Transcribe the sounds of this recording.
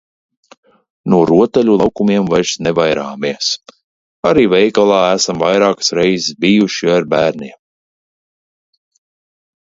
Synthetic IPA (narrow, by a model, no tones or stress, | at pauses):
nuɔɾuɔt̪alʲulˠɑwkumiɛmvajɾsnɛvajɾa̰ːmiɛs | aɾiːvɛjkalˠɑːæsamvajɾaːkḁsɾɛjzɪsbijuʃiaɾbæːɾniɛm